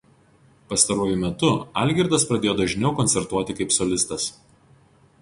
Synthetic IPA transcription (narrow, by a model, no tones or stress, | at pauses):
pɐst̪ɐɾuɔjʊmʲɛt̪ʊɐˑlʲɡʲɪɾd̪ɐspɾɐd̪ʲeːjoːd̪ɐʒʲnʲɛʊkɔnʲsʲɛɾt̪uɔt̪ʲɪkɐɪpsɔlʲɪst̪ɐs